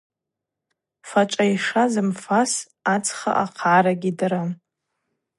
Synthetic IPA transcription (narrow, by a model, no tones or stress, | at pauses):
faʈ͡ʂʷʼaiʂazɨmfas | at͡sʼʰχa̰ʔaqʰʕaɾaɡʲidaɾa